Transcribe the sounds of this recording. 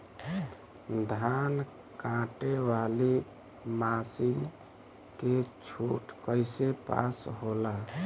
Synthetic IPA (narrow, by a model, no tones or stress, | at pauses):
d̪ʱan | kãʈeʋali | masin | ket͡ʃʰuʈkəɪsepa̰sɦola